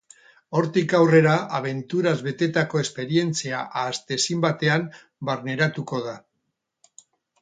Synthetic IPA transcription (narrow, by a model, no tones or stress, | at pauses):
o̞ɾt̪ikawre̞ɾaaβe̞nt̪uɾazβe̞t̪e̞t̪ako̞e̞spe̞ɾie̞nt͡siaʔaːst̪e̞simbat̪e̞am | baɾne̞ɾat̪uko̞ð̞a